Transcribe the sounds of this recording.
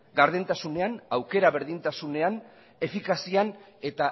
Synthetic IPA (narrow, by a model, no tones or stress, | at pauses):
ɡaɾðent̪asune̞anawke̞ɾaβe̞ɾðint̪asune̞an | e̞fikasian | e̞t̪a